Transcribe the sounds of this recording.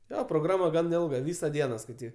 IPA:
ˈjoː proːˈɡrɑːmɐ ˈɡɐn ˈɪlˠɡɐ ˈʋʲiːsɐ ˈdʲiɛnɐ skɐɪˈtʲiːk

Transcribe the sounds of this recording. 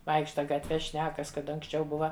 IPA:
ˈʋɐɪkʃtɐ ɡɐtʲˈʋʲɛ ˈʃʲnʲæːkɐs kɐt ɐŋksʲˈt͡ʃʲɛʊ ˈbʊʋɐ

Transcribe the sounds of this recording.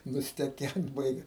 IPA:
nʊsʲtʲɛˈkʲɛnt ˈbɐɪɡʲɛ

